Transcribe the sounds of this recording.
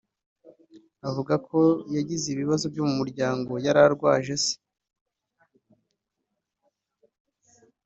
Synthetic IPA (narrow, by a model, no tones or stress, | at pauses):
avuɡakʰo̞jaɟiziβiβazo̞vɟomumuɾɟaːŋɡo̞jaɾaɾɡwa̰ːʒe̞se̥